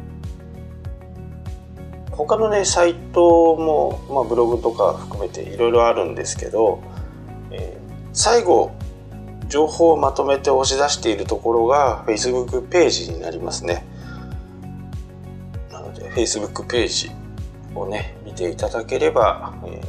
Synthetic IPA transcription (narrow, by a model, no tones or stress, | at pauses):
ho̞kano̞ne̞sait̪o̞mo̞mabɯ̟ɾo̞ɡɯ̟t̪o̞ka̰ɸɯ̟̥kɯ̟me̞t̪e̞̰iɾo̞iɾo̞aɾɯ̟̃nd̪e̞sɨ̥ke̞̰d̪o̞ | eː | saiɡo̞ | d͡ʑo̞ːhoːmat̪o̞me̞t̪e̞o̞ɕizaɕi̥t̪e̞iɾɯ̟t̪o̞ko̞ɾo̞ɡaɸe̞isɨbɯ̟kːɯ̟pe̞ːʑiɲ̟ina̰ɾʲima̰sɨne̞ | nano̞̰d̪e̞̰ɸe̞isɨbɯ̟kːɯ̟̥pe̞ːʑḭ | o̞ne̞mʲit̪e̞it̪ad̪ake̞ɾe̞ba̰